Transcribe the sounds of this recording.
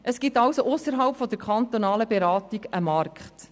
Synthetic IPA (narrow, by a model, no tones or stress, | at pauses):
ʔəsɡ̥ɪt̪ːɑwsoʔʊsəɾɦɑwpfɔd̥̪əɾkχɑnt̪onɑːləbeɾɑːt̪iɡəmɑrkχt